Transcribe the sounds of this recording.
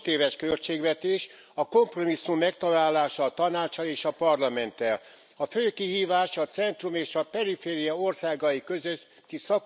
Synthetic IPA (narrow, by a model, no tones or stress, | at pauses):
t̪eːvɛʃkø̞lt͡ʃeːɡvɛt̪eːʃ | ɒko̞mpro̞misːumːɛkt̪ɒlaːlːaːʃɒːt̪ɒnaːt͡ʃːɒleːʃɒpɒrlɒmɛnt̪ːɛl | ɒføːkiɦiːvaːʃɒt̪sɛnt̪rumeːʃɒpɛɾifeːɾijɒo̞rsaːɡɒjikøzøt̪ːisɒk